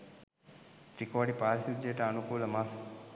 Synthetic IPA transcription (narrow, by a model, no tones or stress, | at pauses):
ʈ̪ɾikoːɖipaːɾsid͡ʒeːʈɐɐnukuːlɐmaːf